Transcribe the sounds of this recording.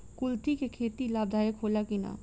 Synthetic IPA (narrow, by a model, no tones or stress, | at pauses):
kʊlt̪ikekʰeːt̪ilaːb̚d̪ʱaːjəkɦoːlakɪna̰ː